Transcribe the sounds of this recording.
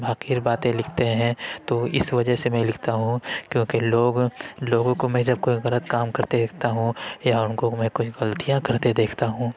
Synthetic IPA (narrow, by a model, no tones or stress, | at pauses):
bʱaːqiːɾbaːt̪ẽlɪkʰt̪eɦɛ̃t̪oɪ̰sʋɐd͡ʒəɦsemɛ̃lɪkʰt̪aɦũkjõːkeloːɡloːɡõkomɛ̃ːd͡ʒɐb̚koiɣɐlət̪kaːmkɐɾt̪ed̪eːk̚ʰt̪aɦũjaʊnkomɛ̃ːkʊt͡ʃʰɣɐlt̪ijãkɐɾt̪ed̪eːkʰt̪aɦũː